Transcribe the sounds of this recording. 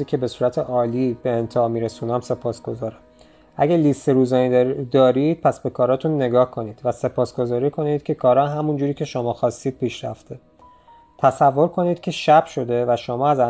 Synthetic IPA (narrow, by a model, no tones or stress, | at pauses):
iːcʰe̞be̞suːɾæt̪ʰe̞ʔɒːliːbeːnt̪ʰeɒːmiːɾesuːnæmse̞pʰɒːsɡ̥o̞zɒːɾæm | æɟælist̪e̞ɾuːzɒːnid̪ɒːɾid̪̥̚pʰæsbe̞kʰɒːɾɒːt̪ʰunːe̞ɡɒːhkʰo̞niːd̪̥væse̞pʰɒːsɡ̥o̞zɒːɾiːkʰonid̪̥cʰʲe̞kʰɒːɾɒːɦæmund͡ʒuːɾiːcʰe̞ʃo̞mɒːxɒːst̪iːd̪̚pʰiːʃɾæft̪e̞ | t̪ʰæsævːo̞ɾkʰo̞niːd̪̥cʰe̞ʃæb̥ʃo̞d̪e̞væʃomɒːæzæ